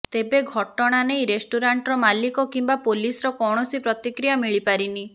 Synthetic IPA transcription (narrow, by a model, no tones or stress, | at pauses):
t̪ebeɡʱɔʈɔɽ̃anejɾesʈuɾaɳʈɾɔmalikɔkimbapolisɔɾɔkɔwɽ̃ɔsipɾɔt̪ikɾijamiɭipaɾini